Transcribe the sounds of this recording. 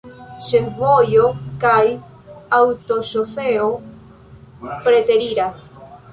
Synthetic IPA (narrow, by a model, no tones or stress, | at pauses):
ʃeŋβojokaj | awt̪oʃoθeo | pɾet̪eɾiɾaθ